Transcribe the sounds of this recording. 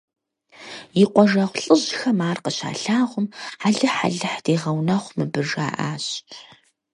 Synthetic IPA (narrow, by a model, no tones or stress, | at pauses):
jɪqʷɔʒɐʁʷɬʼɨʑxɐmaːrqəɕa̰ːɬaːʁʷʊmaɮɨħa̰ɮɨħd̥eːʁɐwnɐχʷmɨbɨʐa̰ːʔa̰ːɕʰ